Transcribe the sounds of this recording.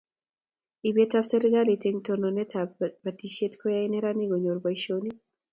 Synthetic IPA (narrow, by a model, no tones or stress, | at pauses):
ibɛtafsɛɾiɡaliteŋtɔnɔnɛtabatiʃetkɔjainɛɾaniɡɔɲoɾbaiʃoni